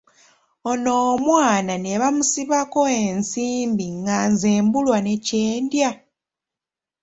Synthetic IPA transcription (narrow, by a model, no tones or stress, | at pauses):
ono̞ːmwaːnane̞βamusiβako̞e̞nsiːmbiŋɡanzeːmbulwane̞ce̞ːndja